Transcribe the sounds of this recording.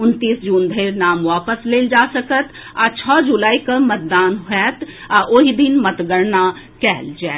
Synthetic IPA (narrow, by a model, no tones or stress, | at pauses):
ʊnt̪iːsd͡ʒuːnd̪ʱeɪɾnaːmʋaːpəsleːld͡ʒasəkət̪ | at͡ʃʰɔd͡ʒulaːikəmət̪̚d̪aːnɦɛt̪ | aʔoɦid̪inmət̪ɡəɾna | kɛːld͡ʒɛː